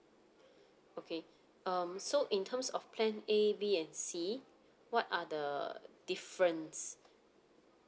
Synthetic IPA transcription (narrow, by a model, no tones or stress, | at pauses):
okʰe | ʌ̃msoʔĩntʰəmsɔfpʰlɛ̃nebiɛ̃nsi | wɔtadəd̥ifɹə̃ns